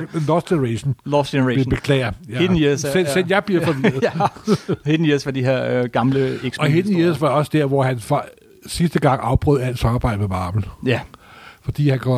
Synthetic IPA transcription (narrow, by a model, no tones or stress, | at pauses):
lɒsɡ̥enʁeɕnɔseneb̥e̝kʰlɛ̰ːɪɐjæhe̥nsensenjɑ̈ɪb̥liɐfɒ̽ʋiɐð̩ˠ | he̥n̩isʋɑ̈d̥iɦeɐ̰ɡ̥ɑ̈mləeɡ̥sɒ̽ɦenn̩isʋɑ̈ɒ̽səd̥æɐ̰ʋɒhænfɑ | sisd̥əɡ̥ɑ̈ŋ̰ɑ̈ʊb̥ʁœð̰ˠæl̰̥sɑ̈mɑ̈ːb̥ɑ̈ɪ̰d̥əmemɑ̈ːm̥l̩ | fɒ̽d̥ḭːhænkʰɒ